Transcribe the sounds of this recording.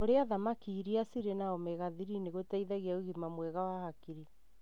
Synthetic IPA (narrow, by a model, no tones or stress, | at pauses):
oɾeaðamakiːɾiasiɾenaɔmɛɣaðiɾineɣotaiðaɣeauɣimamwɛɣawahakiɾi